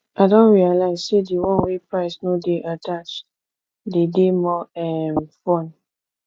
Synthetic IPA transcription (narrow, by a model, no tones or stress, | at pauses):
adɔ̃nɹialaɪzsedewɔ̃nwepɹaɪsnodeʔatat͡ʃ | dedemɔɛ̃nfɔ̃n